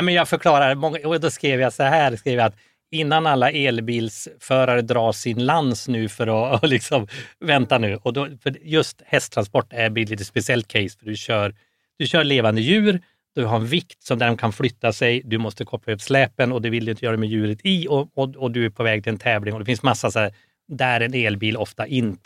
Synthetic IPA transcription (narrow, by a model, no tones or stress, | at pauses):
nɛmɛnjɑːɡfœɾkʰlɑːɾaɾmɔŋːauːd̪ɔskɾeːvjasɔɦæːɾskɾeːvjaat̪ | ɪnːanalːaʔeːlbiːlsfœːɾaɾəd̪ɾɑːsɪnlansnʉ̟ːfœɾɔlɪksɔmvɛnt̪anʉ̟ːʔɔd̪ɔfœɖjɵst̪hɛst̪ʰɾanspɔʈːæɾbɪliːt̪əspɛsɪɛlt̪̚kʰɛɪsfœɖɵɕœːɾ | d̪̥ɵɕœːɭeːvand̪əjʉ̟ːɾ | d̪ɵɦaɾɛnvɪkt̪sɔmd̪æɾɔkʰanflʏt̪ːasɛjd̪ɵmɔst̪əkʰɔpːaøːvʂlɛːpənɔd̪ɛvɪld̪ɵjɪnt̪əjœːɾadɛmɛjʉ̟ːɾət̪ɪɔɔɔd̪ɵæɾpʰɔvɛːɡ̚t̪ʰɪlɛnt̪ʰɛːvlɪŋɔd̪ɛfɪnsmasːasæː | d̪ɛæɾɛneːlbiːlɔft̪aʔɪnː